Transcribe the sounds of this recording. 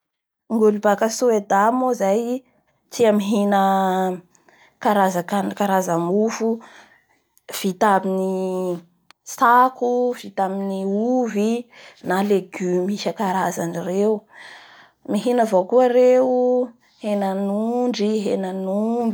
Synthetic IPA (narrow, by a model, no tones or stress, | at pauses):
ŋɡulibakəsued̪amozaj | t͡siəmiɦinə | kaɾazakankaɾazamufu | v̥it̪abini | sakuv̥it̪aminiuvinaleɡymiʃəkaɾazanirewu | miɦinəvokuəɾewu | henanuɳɖ͡ʐiɦenanumbi